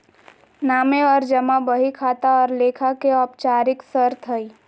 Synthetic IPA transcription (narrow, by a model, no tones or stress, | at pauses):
naːmeɔːɾd͡ʒɐmabəɦikʰaːt̪aɔːɾleːkʰakeɔːpt͡ʃaːɾɪksəɾt̪ʰəi